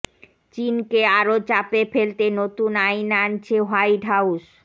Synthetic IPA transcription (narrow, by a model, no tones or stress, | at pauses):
t͡ɕinkeaɾot͡ɕapefelt̪enot̪unajnant͡ɕʰeɦajɖʱauʃ